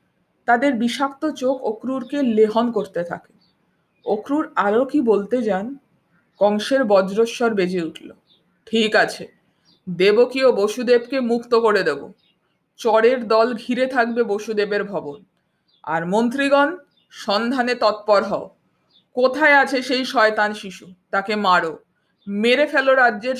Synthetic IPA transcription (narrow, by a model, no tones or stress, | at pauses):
t̪ad̪eɾbiʃakt̪ot͡ɕokokɾuɾkeleɦonkoɾt̪et̪ʰa̰ke̥ | okɾuɾaɾokibolt̪ed͡ʑan | kɔŋʃeɾbɔd͡ʑɾoʃːɔɾbed͡ʑeuʈʰlo̰ | ʈʰikat͡ɕʰe | d̪ebokioboʃud̪ebkemukt̪okoɾed̪ebo̰ | t͡ɕɔɽeɾd̪ɔlɡʱiɾet̪ʰak̚beboʃud̪ebeɾbʱɔbon | a̰ɾmont̪̬ɾiɡɔn | ʃɔnd̪ʱanet̪ɔt̪̚pɔɾɦɔo | kot̪ʰaeat͡ɕʰeʃejʃɔet̪anʃiʃut̪akemaɽo | meɾefɛloɾadːd͡ʑeɾ